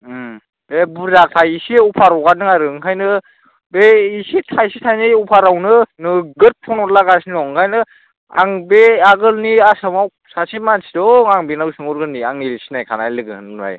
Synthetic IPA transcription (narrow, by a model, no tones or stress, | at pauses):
bebuzak̚tʰajisiupʰaɾɔwɡanɯŋaɾɯŋkʰajnɯ | beisitʰajsitʰajnɯupʰaɾawnɯnɯɡɯt̚pʰɔnɔtlaɡasinɔŋkʰajnɯ | a̰ŋbeaɡɯlniasamaw | sasimansidɔŋaŋbenawsɯŋɔɾɡɯlniaŋiɾisi̥najkʰanajlɯɡɯ̰na̰j